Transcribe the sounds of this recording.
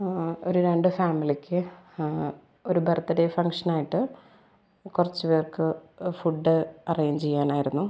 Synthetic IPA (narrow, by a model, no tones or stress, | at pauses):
o̞ɾuɾe̞ɳɖɨfaːmilikʲːɨ | oɾubʱɐrɐt̪ːɐɾefɐŋkʂɐnaːjiʈːɨ | kurɐt͡ɕːɨʋeːrkɨfuɖːɨɐrejɲd͡ʑt͡ɕejːaːnaːjiɾunːu